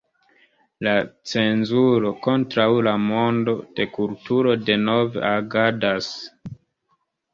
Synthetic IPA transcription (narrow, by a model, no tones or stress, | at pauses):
lat͡se̞nzuɾo̞ko̞ntɾawlamo̞ndo̞d̥e̞kultuɾo̞de̞no̞vḛʔaɡadas